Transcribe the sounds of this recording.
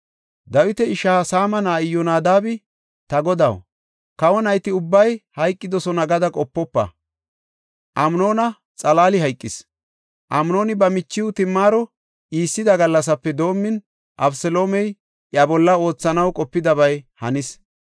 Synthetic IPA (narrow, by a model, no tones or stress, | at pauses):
d̪ɐwɪt̪ɛɪʃaːsaːmɐnaːɪjɔnaːd̪aːbɪ | t̪ɐɡɔd̪ɐ̰w | kɐwɔnɐjt̪ɪʊbːɐjhɐjkʼːɪd̪ɔsɔnɐɡɐd̪ɐkʼɔpːɔpːɐ̰ | ʔɐmno̞ːnɐ | t͡sʼɐlaːlɪhɐjkʼːɪs | ʔɐmno̞ːnɪbɐmɪt͡ʃːɪwʊt̪ɪmːaːɾɔ | ʔiːsːɪd̪ɐɡɐlːɐs̬ɐpːɛd̪o̞ːmːɪn | ʔɐbsɛlo̞ːmɛj | ʔjɐbɔlːɐo̞ːt͡sːɐnɐwkʼɔpːɪd̪ɐbɐjhɐnɪs